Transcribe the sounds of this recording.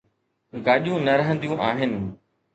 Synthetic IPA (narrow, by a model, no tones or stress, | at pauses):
ɡaːʄijũnɐɾɐɦə̃nd̪ijũʔaːɦɪnɪ̆